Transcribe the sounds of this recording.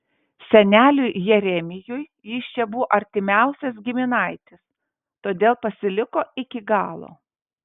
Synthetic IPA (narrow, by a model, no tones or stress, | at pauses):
sʲɛnʲæːlʲʊjjɛɾʲɛmʲɪjʊj | jist͡ʃʲɛbʊʋoʔɐɾʲt̪ʲɪmʲæˑʊsʲɛs̬ɡʲɪmʲɪnɐɪt̪ʲɪs | t̪oːd̪ʲeːlˠpɐsʲɪlʲɪkoːɪkʲɪɡɑːlˠo̰ː